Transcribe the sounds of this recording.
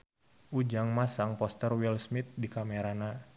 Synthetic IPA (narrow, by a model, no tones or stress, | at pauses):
ʔud͡ʒaŋmasaŋpɔst̪ərwilsmit̪̚dikameɾana